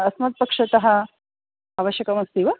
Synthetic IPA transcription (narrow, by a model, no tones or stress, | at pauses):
ɐsmɐt̪̚pɐkʂɐt̪ɐɦɐ | aːʋɐʃjɐkɐmɐst̪iːʋɐ